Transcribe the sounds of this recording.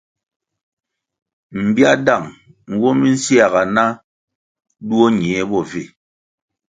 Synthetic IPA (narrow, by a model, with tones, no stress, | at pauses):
m̩˨ba˦da˦˨ŋ | ŋ˨˦ɡwɔ˦mi˦n̩˦sja˨ɣa˨na˦ | du˦o˦ɲ˨ɛ˨˦bɔ˨ve˨